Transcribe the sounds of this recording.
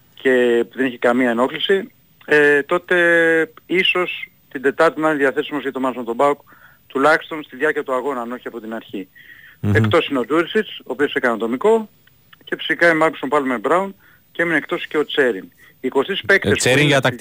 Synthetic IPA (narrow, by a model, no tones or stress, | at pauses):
ce̞puðe̞neçikɐmiɐeno̞klisi | et̪o̞t̪e̞ | iso̞s | t̪ind̪e̞t̪ɐɾt̪inɐniðiɐθe̞simozʝɐt̪o̞mɐnsont̪obɐuk | t̪ulɐçi̥st̪o̞nst̪iðʝɐɾciɐt̪uɐɣo̞nɐno̞çiɐpo̞t̪inɐɾçi | e̞kt̪o̞sineo̞d̪uɾisiso̞ːpio̞sekɐnɐnt̪o̞miko̞ | ce̞fi̥sikɐimɐɾksompɐlmebɾɐun | ceeminekt̪o̞sce̞o̞t͡se̞ɾin | iːko̞st̪ispe̞kt̪eseɾiɐt̪